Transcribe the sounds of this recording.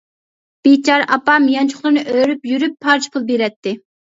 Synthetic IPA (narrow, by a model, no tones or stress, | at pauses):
b̥et͡ʃʰɑɾʔɑ̰pɑmijɑnt͡ʃʰʊ̥χlˠɨɾnɨʔøɾypjyɾypʰːɑɾt͡ʃʰpʰulˠbeɾɛt̪ːɪ